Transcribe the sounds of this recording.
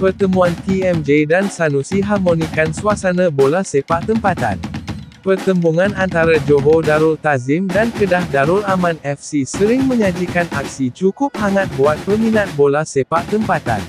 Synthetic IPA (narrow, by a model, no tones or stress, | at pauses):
pərt̪əmũankiɛmd͡ʒedansanusiɦarmonikansuasanãbolasepaʔt̪əmpat̪a̰n | pərt̪əmbuŋãnant̪aɾad͡ʒoɦodaɾʊlt̪azɪmdankədahdaɾʊlamãnɛfsisəɾɪŋmə̃ɲãd͡ʒikanʔa̰k̚sit͡ʃukʊp̚haŋat̪̚buat̪̚pəminat̪̚bolahsepaʔt̪əmpat̪a̰n